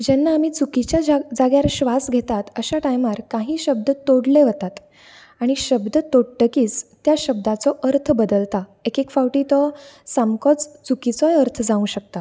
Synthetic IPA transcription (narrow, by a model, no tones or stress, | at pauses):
d͡ʑɛnːaːmiːt͡sukit͡ɕjad͡zaɡjaɾɕʋasɡʱet̪at̪əɕaʈajmaɾkaɦiːɕəb̚d̪ət̪oɽleʋət̪at̪ | aɽ̃iɕəbd̪ət̪oɽʈəkiːt͡st̪jaɕəb̚d̪at͡sɔʔəɾt̪ʰbəd̪əlt̪aekekfawʈiːt̪ɔsamkɔt͡st͡sukit͡sɔjəɾt̪ʰd͡zaũɕək̚t̪a